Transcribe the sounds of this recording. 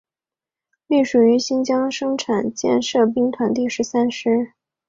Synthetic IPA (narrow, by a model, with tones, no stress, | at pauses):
li˥˩ʂu˨˩y˧˥ɕi˥nt͡ɕjɑ˥ŋʂɤ˥ŋʈ͡ʂʰa˨˩nt͡ɕjɛ̰˥˧nʂɤ˥˩p̬i˥ŋt̪ʰwa˧˥nt̪i˥˩ʂɻ̩˧˥sa˥nʂɻ̩˥